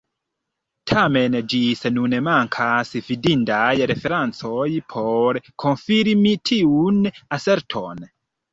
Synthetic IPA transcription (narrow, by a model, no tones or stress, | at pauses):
tʰame̞nd͡ʒisenunmaŋkʰasvidintajɾefe̞ɾant͡sojpʰoɾkʰo̞nfiɾimitʰiunase̞ɾtʰo̞n